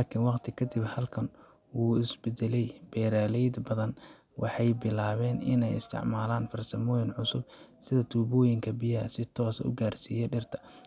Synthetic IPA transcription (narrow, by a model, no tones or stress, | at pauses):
laːkʰɪnwɑqt̪ʰɪkʰɐd̪ɪbhɐlkʰɐnwuːɪsbɛd̪ɛlɛjb̥ɛːɾaːlɛjd̪bɐðɐnwɑ̰ħɑjbɪlaːβɛːnɪ̰nɛjɪ̰st̪ʰɪ̰ʕmaːlaːnfɐrsɐmɔːjɪnʕʊsʊbsɪðɐt̪ʰuːbɔːjɪŋkʰɐbɪjɐɦɐsɪt̪ʰɔːsɐ̰ʊ̰ɡaːrsiːjɛɖɪrt̪ʰɐ̥